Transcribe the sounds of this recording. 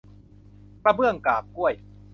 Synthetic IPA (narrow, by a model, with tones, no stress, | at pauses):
pɾa˧bɯ˥˩əŋkaː˨˩p̚ku˥˩əj